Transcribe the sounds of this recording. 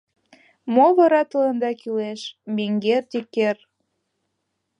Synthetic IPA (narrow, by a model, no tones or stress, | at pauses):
moβɤɾɑt̪ɤ̆lənd̪ɑkyleʃmeŋɡert̪iker